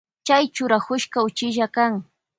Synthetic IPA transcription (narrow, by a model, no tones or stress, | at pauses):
t͡ʃajt͡ʃʊɾahʊʃkaʊt͡ʃɪʒakaŋ